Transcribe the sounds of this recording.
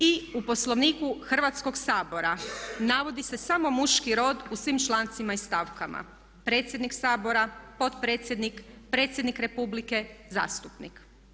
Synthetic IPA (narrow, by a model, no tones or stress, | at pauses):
iupo̞slˠoʋniːkuxr̩ʋat̪sko̞ɡsaːbo̞ɾanaʋo̞d̪ise̞samo̞muʃkiɾo̞ːd̪usʋimt͡ʃlˠant̪simaist̪aʋkama̰ | pɾe̞ːt̪sʲjed̪niksaːbo̞ɾapo̞t̪pɾeːt̪sjed̪nikpɾe̞ːt̪sje̞d̪nikɾe̞publike̞za̰ːst̪upnḭk